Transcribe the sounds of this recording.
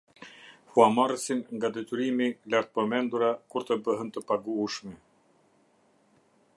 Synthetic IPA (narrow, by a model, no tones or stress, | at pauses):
huamarəsinŋɡad̪ɛt̪yɾimilaɾt̪̚pəmɛnd̪uɾakuɾt̪əbəɦənt̪əpaɡuʃmɛ